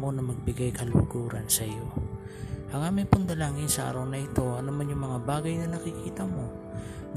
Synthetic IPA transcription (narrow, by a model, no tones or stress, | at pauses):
mo̞nɐmɐɡ̚bɪɡajkɐlʊɡuːɾɐnsɐjo̞ | hɐŋaːmɪŋpʊnd̪ɐlaːŋɪnsɐʔa̰ːɾɐwnɐʔɪt̪o̞ʔɐnumanjʊŋmɐŋabaːɡɐjnɐnɐkɪkiːt̪ɐmo̞ | n